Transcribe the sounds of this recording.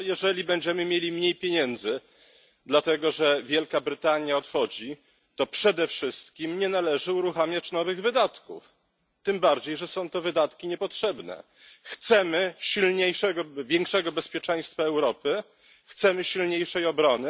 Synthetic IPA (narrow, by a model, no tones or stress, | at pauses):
jɛʐɛlʲibɛɲd͡ʑɛmɘmʲjelʲimɲejpʲjeɲɛnd̪zɘ | d̪lat̪ɛɡɔʐɛvʲjɛlkabɾɘt̪aɲjaɔt̪xɔd͡ʑi | t̪ɔpʂɛd̪ɛfʂɘst̪kʲimɲɛnalɛʐɘuɾuxamʲjat͡ɕnɔvɘɣvɘd̪at̪kṵf | t̪ɘmbaɾd͡ʑejʐɛsɔ̃w̃t̪ɔvɘd̪at̪kʲiɲɛpɔtʂɛbnɛ̰ | xt̪sɛmɘɕilɲejʂɛɡɔvʲjɛŋkʂɛɡɔbɛspʲjɛt͡ʂɛ̃j̃st̪faɛwɾɔpɘ | xt̪sɛmɘɕilɲejʂɛjɔbɾɔnɘ